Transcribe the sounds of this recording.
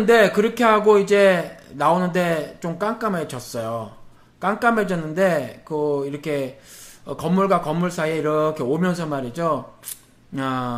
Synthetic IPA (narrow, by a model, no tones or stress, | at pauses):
nde̞kɯɾʌkʰe̞ɦaɡoid͡ʑe̞naonɯnde̞t͡ɕomk͈aŋk͈amet͡ɕʌs͈ʌjo | k͈aŋk͈ameɭd͡ʑʌnːɯnde̞kɯiɾʌkʰe̞ʌkʌmːuɭɡwakʌmːuɭs͈ʰaieiɾʌkʰe̞omjʌns̬ʰʌmaɾid͡ʑo | a